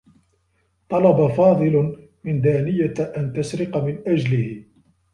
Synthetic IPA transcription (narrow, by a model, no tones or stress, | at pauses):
t̪ˤɑlɑbafɑːðˤɨl | mɪnd̪aːnɪjaʔant̪asɾɪqamɪnʔad͡ʒlɪhɪ